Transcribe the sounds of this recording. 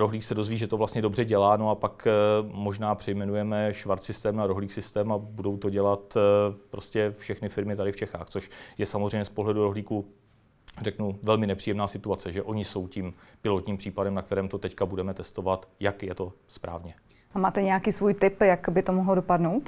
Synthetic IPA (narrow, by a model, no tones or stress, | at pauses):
ɾoɦliːksɛdo̞zviːʒɛt̪ovlast̪ɲɛdo̞brɛɟɛlaːnoapakmo̞ʒnaːpr̝̥ɛjmɛnujɛmɛʃvaɾt̪sɪst̪ɛːmnaɾoɦliːxsɪst̪ɛːmabudo̞wt̪o̞ɟɛlat̪pɾo̞scɛfʃɛxnɪfɪɾmɪt̪adɪft͡ʃɛxaːxt͡soʃjɛsamozr̝ɛjmɲɛspo̞ɦlɛduɾo̞ɦliːku | rɛknuvɛlmɪnɛpr̥ijɛmnaːsɪt̪uat͡sɛʒɛʔo̞ɲɪso̞wciːmpɪlo̞t̪ɲiːmpr̝̥iːpadɛmnak̚t̪ɛɾɛːmt̪o̞t̪ɛckabudɛmɛt̪ɛst̪o̞vat̪jakjɛt̪o̞ | spɾʔa̰ːvɲɛ | amaːt̪ɛɲɛjakiːsvuːjt̪ɪpjakbɪt̪omoɦlodopadnowt̪